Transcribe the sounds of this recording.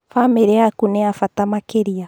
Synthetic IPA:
famɛɾɛakunɛafatamakeɾia

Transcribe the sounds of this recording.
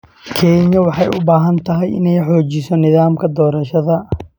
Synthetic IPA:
kʰɛːɲɐwɑħɑjʔʊbaːɦɐnt̪ʰɐɦɛjɪ̰nɛjħɔːt͡ʃɪsɔnɪðaːmkʰɐd̪ɔːɾɐʃɐðɐ

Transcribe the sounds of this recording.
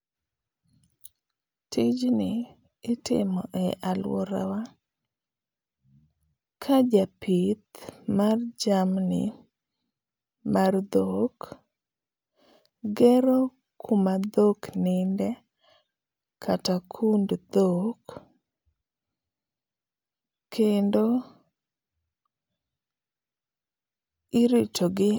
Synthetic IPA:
tɪd͡ʒnɪː | tɪ̰mɔʔɛʔalwɔ̰ɾa̰wa | kʰad͡ʒapit̪mard͡ʒamnɪ̰ | mard̪ok | ɡɛɾo | kʰumad̪oknɪndɛ | kʰatakʰundd̪ok | kʰendo | ɪɾitoɡɪ

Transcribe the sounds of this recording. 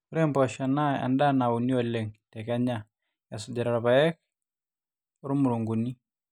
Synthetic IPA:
uɾɛmpɔʃanaa̰ndanauniɔlɛŋtɛkaɲa | jasud͡ʒaɾaɾaβaɛk | uɾumuɾuŋɡuni

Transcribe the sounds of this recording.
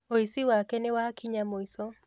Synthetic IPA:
ɔisiwakɛnɛwakiɲamɔisɔ

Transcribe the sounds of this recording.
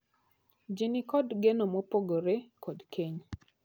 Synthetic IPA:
d͡ʒinɪkɔdɡenomopoɡoɾekɔdkʰeɲ

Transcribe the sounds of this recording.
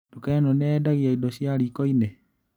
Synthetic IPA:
dukanɔnɛdaɣiaidɔʃiaɾikɔine

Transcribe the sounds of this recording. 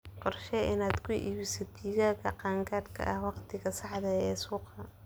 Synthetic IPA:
qɔrʃɛʔɪnaːd̪kʰʊʔḭːβɪsɛt̪ʰiːɣaːɣɐqɑːŋkʰaːd̪kʰɐ̰ʔɐhwɑqt̪ʰɪɣɐsɑħðɐɛːsuːqɐ

